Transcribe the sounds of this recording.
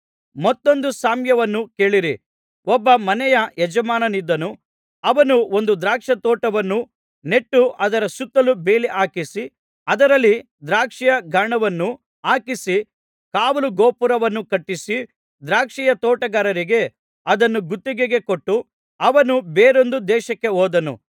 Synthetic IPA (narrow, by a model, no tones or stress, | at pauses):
mɔt̪ːo̞nd̪usaːmjɐʋɐnːuke̞ːɭiɾi | ʔɔbːɐmɐnɛjɐjɛd͡ʒɐmaːnɐnid̪ːɐnu | ɐʋɐnuo̞nd̪ud̪ɾaːkʂɐt̪ɔːʈɐʋɐnːu | ne̞ʈːuɐd̪ɐɾɐsut̪ːɐlube̞ːliʔaːkisi | ɐd̪ɐɾɐlːi | d̪ɾaːkʂijɐɡʱɐɳɐʋɐnːu | aːkisi | kaːʋɐluɡoːpuɾɐʋɐnːukɐʈːisi | d̪ɾaːkʂijɐt̪ɔːʈɐɡɐːɾɐɾiɡe̞ | ɐd̪ɐnːuɡut̪ːiɡeɡe̞koʈːu | ɐʋɐnubeːɾo̞nd̪ud̪ɛːʃɐkːe̞ɦoːd̪ɐnṵ